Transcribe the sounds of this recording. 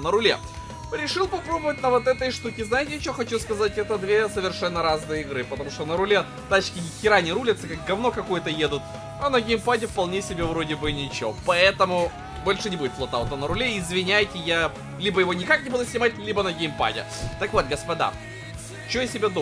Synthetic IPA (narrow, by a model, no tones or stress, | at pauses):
nəɾʊlʲḛ | ɾʲɪʂɨlˠpɐpɾo̞bəvət̚ʲnəvot̪ɛt̪əjʂt̪ukʲɪznajɪtʲɪɐt͡ɕoxɐt͡ɕuskɐzatʲɛt̪əd̪vʲesəvʲɪrʂɛnːəɾaznɨjəɪɡɾɨpət̪ɐmuʂt̪onəɾʊlʲe | t̪at͡ɕkʲɪɪkʲɪɾanʲɪɾulʲɪt̪səkak̚ɡɐvno̞kɐkojət̪əjed̪ʊt̪ | ɐnəɡʲɪjmpadʲɪfpɐlˠnʲesʲɪbʲevɾo̞dʲɪbɨnʲɪt͡ɕo̰pɐɛt̪əmʊ | bolʲʂɨnʲɪbudʲɪt̪plˠɐt̪aʊt̪ənəɾʊlʲeɪzvʲɪnʲæjtʲɪja | lʲibəjɪvo̞nʲɪkaknʲɪbud̪ʊsʲnʲɪmat̚ʲlʲibənəɡʲejmpa̰dʲɪ̰ | t̪akvo̞t̪̚ɡəspɐd̪a̰ | t͡ɕojasʲɪbʲed̪o